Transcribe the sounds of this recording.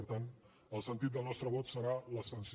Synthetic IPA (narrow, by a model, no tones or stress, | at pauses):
əɾt̪an | əlˠsənt̪it̪̚d̪əlˠnɔst̪ɾəβɔt̪səɾaləsəns